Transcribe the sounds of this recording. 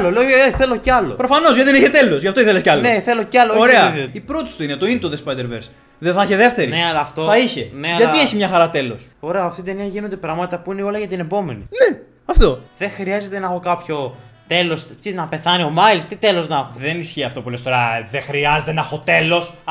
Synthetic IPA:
loleoeθe̞lo̞ceɐlo̞̰pɾo̞fɐno̞zʝɐt̪iðeniçet̪e̞lo̞sʝɐft̪oiθelesceɐlneθe̞lo̞cɐlooɾeɐðiipɾot̪isi̥t̪uinet̪oinet̪oðespɐjd̪eɾveɾs | ðeθɐçeðe̞ft̪eɾineɐlɐːft̪oθɐiçeneɐʝɐieçimɲɐxɐɾɐt̪e̞lo̞so̞ɾe̞ɐɐft̪it̪eneʝinod̪epɾɐɣmɐt̪it̪ɐpuineo̞lɐʝɐt̪ine̞po̞me̞nḭne | ɐft̪o̞ðe̞xɾiɐze̞t̪e̞nɐxokɐpço̞t̪e̞lo̞st̪inɐpe̞θɐnio̞mɐilst̪it̪e̞lo̞znɐxoðenisçiɐft̪o̞pulest̪oɾɐðexɾiɐzet̪enɐxot̪e̞lo̞s

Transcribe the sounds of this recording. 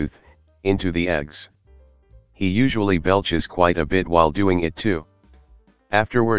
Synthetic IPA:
θ | ɪ̃ntʉðiɛɡz̥ | hijʉʒəl̩ˠibɛlˠt͡ʃɨz̥kʰw̥aɪɾɨbɪt̚waɪlˠdʉɪ̃ŋɪtʰʉ | ʔæftə˞wə˞

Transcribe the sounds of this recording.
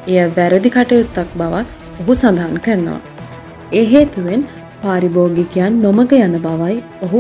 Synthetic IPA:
ejaʋæɾəd̪ikaʈəjut̪ːak̚baʋat̪ | oɦusand̪əɦankəɾənə̰ʋa̰ | eːɦeːt̪uʋen | paːɾiboːɡikijanːoməkəjanəbaʋaj | oɦu

